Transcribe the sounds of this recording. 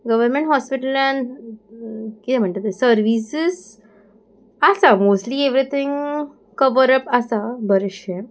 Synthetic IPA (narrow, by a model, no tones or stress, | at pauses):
ɡɐʋəɾmẽɳʈɦɔspɪʈəlɛ̃n | kit̪em̤ə̃ɳʈet̪esəɾʋisɪs | asamoːsʈlieʋɾit̪ʰɪ̃ŋ | kɐʋəɾəpɐsabəɾɪʃe